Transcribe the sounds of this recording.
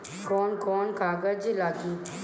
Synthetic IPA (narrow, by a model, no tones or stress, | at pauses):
koːnkoːnkaːɡəd͡ʒilaːki